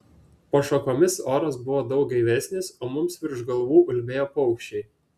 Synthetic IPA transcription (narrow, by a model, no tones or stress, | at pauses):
poʃokoːmʲɪsoːɾɐsbʊʋoːd̪ɒʊk̚ɡɐɪʋʲæsʲnʲɪsoːmʊmsʋʲɪɾʒɡɐlˠʋuːʔʊlʲbʲeːjoːpɔʊkʃʲt͡ʃʲɛɪ